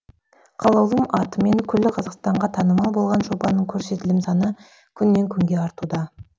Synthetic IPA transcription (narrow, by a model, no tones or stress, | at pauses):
qʰɑlˠɑwlˠəmɑt̪əme̞ŋkʲʰʏlːɪqʰɑzɑqst̪ɑɴʁɑt̪ʰɑnəmɑlˠbo̞lˠʁɑnʒobɑnəɴkʲʰɵɾse̞t̪ɪlɪmsɑnə | kʲʰʏnːe̞ŋkʲʰʏŋɡʲe̞ɑɾt̪ud̪ɑ